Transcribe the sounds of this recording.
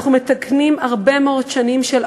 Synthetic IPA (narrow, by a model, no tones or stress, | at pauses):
χumet̪aknimaʁbemeo̞ddʃanimʃel